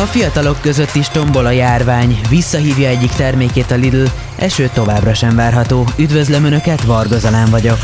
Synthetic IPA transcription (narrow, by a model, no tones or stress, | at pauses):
ɒfijɒt̪ɒlo̞kːø̞zø̞t̪ːiʃt̪o̞mbo̞lɒjaːrvaːɲvisːɒɦiːvjɒɛɟːikt̪ɛrmeːkeːt̪ɒlid̪yl | ɛ̰ʃøːt̪ːo̞vaːbrɒʃɛɱvaːrɦɒt̪oːyd̪vø̞zlɛmønø̞kɛt̪ʋɒrɡozɒlɛɱvɒɟo̞k